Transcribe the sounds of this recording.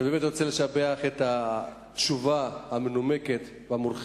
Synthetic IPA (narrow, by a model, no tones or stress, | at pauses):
beːmet̪ʁot͡seleʃabeaχeta | tʃuvahamenumeket̪ | veamulχ